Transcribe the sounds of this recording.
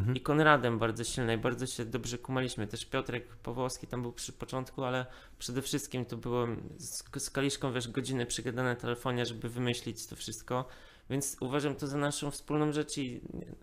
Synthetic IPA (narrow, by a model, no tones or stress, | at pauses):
ikɔnɾad̪ɛmbaɾd̪zɔɕilnɛibaɾd̪zɔɕɛd̪ɔbʐɛkumalʲiɕmɘt̪ɛʂpʲjɔt̪ɾɛkpɔvɔskʲi̥t̪ambɘwpʂɘpɔt͡ʂɔnt̪kualɛ | pʂɛd̪ɛfʂɘst̪̚kʲimt̪ɔbɘwɛmsskalʲiʂkɔ̃w̃vʲɛʂɡɔd͡ʑinɛpʂɛɡad̪anɛt̪ɛlɛfɔɲɛʐɛbɘvɘmɘɕlʲit͡ɕt̪ɔfʂɘst̪̚kɔ | vʲjɛnt̪suvaʐamt̪ɔzanaʂɔ̃w̃fspulnɔ̃w̃ʐɛt͡ʂḭ